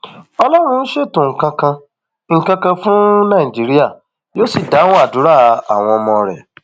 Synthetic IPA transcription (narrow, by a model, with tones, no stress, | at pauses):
ɔ˧lɔ˦ɾ̃ũ˧n̩˦ʃe˦˨tũ˨ŋ̩˨kã˧kã˧ | ŋ̩˨kã˧kã˧fũ˦nã˦˨i˨d͡ʒi˨˦ɾi˦a˦˨ | jo˦si˨da˨˦w̃a˦˨du˨˦ɾa˦˨a˨w̃ɔ̃˧ɔ˧mɔ̃˧ɾɛ̰˨